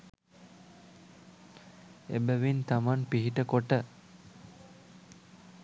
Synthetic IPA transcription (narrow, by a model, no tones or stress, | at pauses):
ḛbəʋint̪amanpiɦiʈəkoʈə